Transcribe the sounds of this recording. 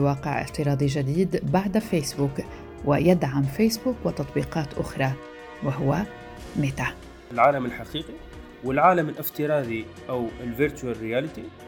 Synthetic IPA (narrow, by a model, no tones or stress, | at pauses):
wɑːqɪʕʔɪ̰ft̪ɪɾˤɑːd̪ˤiʒad̪iːd̪baʕd̪feːsbuːk | wɪjad̪ʕamfeːsbuːkwɪt̪ɑt̪ˤbiːqɑːt̪ʔʊ̰xɾˤɑ | wɪɦʊwa | mɪt̪a | ɪlʕaːlamɪlħaqiːqi | wɪlʕaːlamɪlʔɪft̪ɪɾˤɑːd̪iʔawɪlvɪɾt͡ʃ̪uarɪjaːlɪt̪i